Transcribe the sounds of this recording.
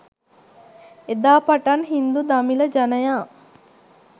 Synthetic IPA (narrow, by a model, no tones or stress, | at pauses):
ed̪aːpaʈanɦind̪ud̪amiləd͡ʒanəjaː